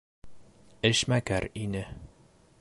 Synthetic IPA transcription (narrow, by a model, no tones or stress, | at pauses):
ɘʃmækæɾinɘ